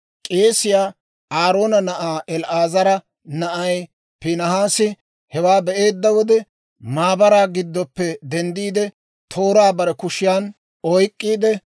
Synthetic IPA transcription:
kʼeːsɪjaː | aːɾo̞ːnɐnɐʔaːʔɛlʔaːzɐɾɐ | nɐʔɐj | pɪnɐhaːsɪ | hɛwaːbɛʔe̞ːd̪ːɐwɔd̪ɛ | maːbɐɾaːɡɪd̪ːɔpːɛd̪ɛnd̪iːd̪ɛ | t̪ʰo̞ːɾaːbɐɾɛkʊʃɪjaːn | ɔjkʼːiːd̪ɛ

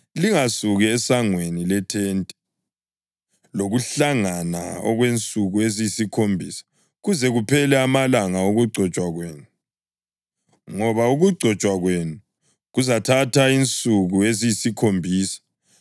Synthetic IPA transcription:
liŋasuɣɛːsaŋwenilɛtʰɛːntʼɛ | loɣuɬaŋana̰ɔ̰ɣwent͡sʼuɣuezijisikʰombʱisḁ | ɣuzɛɣupʰɛlɛamalaŋaoɣuɡ͡ǀʱɔt͡ʃʼwaɣweːnu | ŋɔβauɣuɡ͡ǀʱɔt͡ʃʼwaɣwenu | ɣuzatʰatʰaint͡sʼuɣuezijisikʰombʱiːsḁ

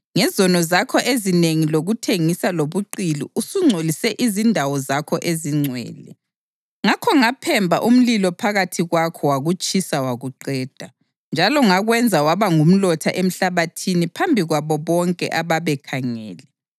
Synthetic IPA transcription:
ŋɛzɔnɔzakʰɔʔezineŋiloɣutʰeŋisaloβuǃilḭusuŋ͡ǀʱolisɛʔizindʱawɔzakʰɔʔeziŋ͡ǀʱwɛ̰ːlɛ̰ | ŋakʰɔŋapʰɛmbʱa̰ʔum̩lilɔpʰaɣatʰiɣwakʰɔwaɣut͡ʃʼisawaɣuǃɛːd̥ʱa | nd͡ʒʱalɔŋaɣwɛnd͡zʱawaβaŋum̩lɔtʰa̰ʔem̩ɬaβatʰinipʰambʱiɣwaβɔβɔŋkʼɛ̰ʔaβaβɛkʰaŋɛ̰ːlɛ

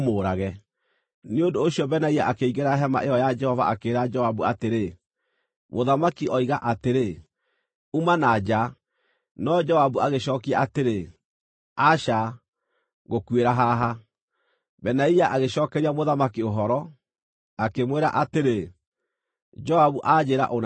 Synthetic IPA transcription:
moːɾaɣɛ | neondoːɕiɔβɛnaijaʔakeiɣeɾaɦɛma̰ʔejɔjad͡ʒɛhɔva̰ʔakeːɾad͡ʒɛaβuateɾe | moðamakiʔɔiɣaʔateɾe | umanad͡ʒa | nɔd͡ʒɛaβuaɣeɕɔːkiaateɾe | aʃa | ɣokweɾaɦaɦa | bɛnaiaʔaɣeɕɔːkɛɾiamoðamakioɦɔɾɔ | akemweɾa̰ʔateɾe | d͡ʒɔaβuʔad͡ʑeɾa̰ʔon

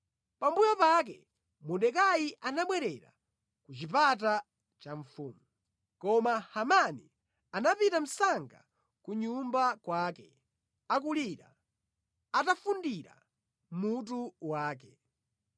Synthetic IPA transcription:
pambujɔpak̬ɛ̰ | muɗɛkajiʔanaɓwɛɾɛɾa̰ | kut͡ʃipat̬a | t͡ʃaɱ̩fuːmu | kɔmahamani | anapitam̩saŋɡa̰ | kuɲumbakwaːkɛ | ak̬uliɾa̰ | atafundiɾa̰ | mut̬uwaːkɛ

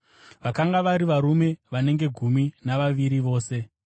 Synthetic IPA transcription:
ʋakaŋɡaʋaɾiʋaɾume̞ʋane̞ŋɡe̞ɡʱuminaʋaʋiɾiʋo̞ːse̞

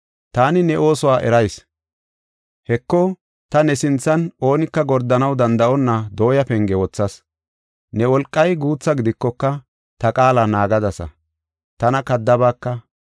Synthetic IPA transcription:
t̪aːnɪnɛʔo̞ːsɔwaːʔɛ̰ɾɐjs | hɛkːɔ | t̪ɐnɛsɪnt͡sːɐno̞ːnɪkːɐɡɔɾd̪ːɐnɐwd̪ɐnd̪ɐʔɔnːɐd̪o̞ːjɐpɛŋɡɛwɔt͡sːɐs | nɛwɔlkʼːɐjɡuːt͡sːɐɡɪd̪ɪkːɔkːɐ | t̪ɐkʼaːlɐnaːɡɐd̪ɐsɐ̰ | t̪ɐnɐkɐd̪ːɐbaːkːɐ

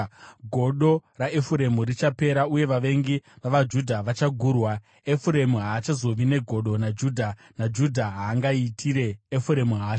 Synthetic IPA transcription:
ɡʱo̞ɗo̞raefuɾe̞murit͡ʃape̞ɾauje̞ʋaʋe̞ŋɡiʋaʋad͡ʒudʱaʋat͡ʃaɡʱuːrwa | e̞fuɾe̞muɦaːt͡ʃazo̞ʋine̞ɡʱo̞ɗo̞nad͡ʒudʱa | nad͡ʒudʱaɦaːŋɡaitʰiɾe̞ːfuɾe̞muɦaːʃ

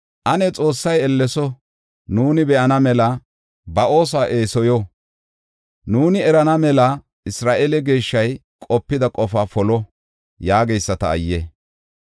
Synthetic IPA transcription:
ʔɐnɛt͡sʼo̞ːsːɐjɛlːɛsɔ | nuːnɪbɛʔɐnɐmɛlɐ | bɐʔo̞ːs̬aːʔeːsɔjɔ | nuːnɪɛɾɐnɐmɛlɐ | ɪsɾaːʔɛlɛɡe̞ːʃːɐj | kʼɔpːɪd̪ɐkʼɔfaːfɔlɔ | jaːɡejsːɐt̪ɐ̰ːjːe

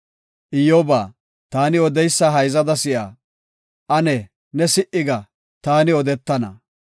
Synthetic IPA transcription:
ʔɪjobaː | t̪aːnɪɔd̪ɛjsːaɦɐjzɐd̪ɐsɪjaː | ʔɐnɛ | nɛsɪʔɪɡɐ | t̪aːnɪɔd̪ɛt̪ːɐnɐ̰

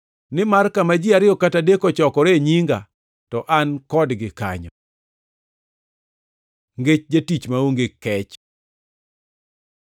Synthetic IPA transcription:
nɪmarkamad͡ʒɪaɾɪjɔkatadekɔt͡ʃɔkɔɾeɲiŋɡa̰ | tɔʔankɔdɡɪka̰ɲɔ | ŋɡet͡ʃd͡ʒatit͡ʃmaoŋɡekːɛt͡ʃ

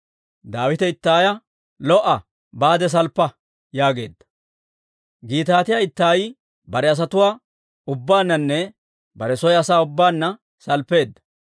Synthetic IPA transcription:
d̪aːwɪt̪ɛɪt̪ːaːjɐ | lɔʔɐ | baːd̪ɛs̬ɐlpːɐ | jaːɡe̞̰ːd̪ːɐ̥ | ɡiːt̪aːt̪ɪjaɪt̪ːaːjɪ | bɐɾɛɐs̬ɐt̪ʊwaː | ʊbːaːnːɐnːɛ | bɐɾɛsɔjɐsaːʊbːaːnːɐ | sɐlpːe̞ːd̪ːɐ̥

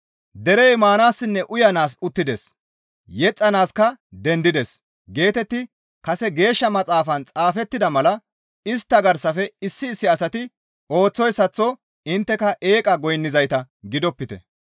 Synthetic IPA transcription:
d̪ɛɾɛjmaːnaːsːɪnːɛʔʊjɐnaːsʊt̪ːɪd̪ɛs | jɛt͡sʼːɐnaːskɐd̪ɛnd̪ɪd̪ɛs | ɡe̞ːt̪ɛt̪ːɪ | kɐsɛɡe̞ːʃːɐmɐt͡sʼaːfɐnt͡sʼaːfɛt̪ːɪd̪ɐmɐlɐ | ɪst̪ːɐɡɐɾsɐfɛɪsːɪːsːɪɐsɐt̪ɪ | o̞ːt͡sːɔjsɐt͡sːɔ | ɪnt̪ːɛkɐʔe̞ːkʼɐɡɔjnːɪzɐjt̪ɐ | ɡɪd̪ɔpːɪt̪ɛ̰

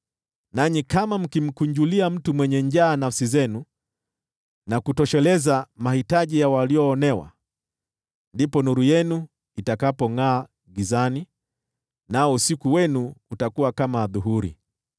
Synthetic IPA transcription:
naɲikamam̩kim̩kuɲd͡ʒuliam̩tumwɛɲɛɲd͡ʒaːnafsizɛnu | nakutɔʃɛlɛzamahitaʄijawaliɔːnɛwa̰ | ndipɔnuɾujɛnu | itakapɔŋaː | ɡizani | naɔusikuwɛnuːtakuwakamaːðuɦuɾḭ

